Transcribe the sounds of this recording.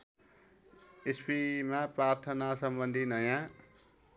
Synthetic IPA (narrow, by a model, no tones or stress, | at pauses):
espimaprart̪ʰʌnasʌmbʌnd̪ʱinʌjã